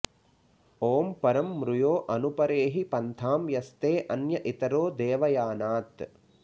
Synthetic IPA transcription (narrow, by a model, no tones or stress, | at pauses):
oːmpɐɾɐmːɾujoːʔɐnupɐɾeːɦipɐnt̪ʰaːmjɐst̪eːʔɐnjɐʔit̪ɐɾoːd̪eːʋɐjaːnaːt̪